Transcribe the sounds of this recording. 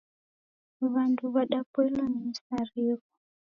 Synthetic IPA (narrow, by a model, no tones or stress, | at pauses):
βanduβaɗapwɛlanisaɾiku̥